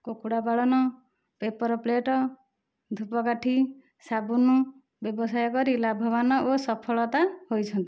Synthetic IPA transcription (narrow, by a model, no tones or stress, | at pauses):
kokuɽabaɭɔnɔ | pepɔɾɔpleʈɔ | d̪ʱupɔkaʈʰi | sabunu | bjebɔsajɔkɔɾilabʱɔbanɔʔosɔpʰɔɭɔt̪ahojt͡ʃʰɔnt̪i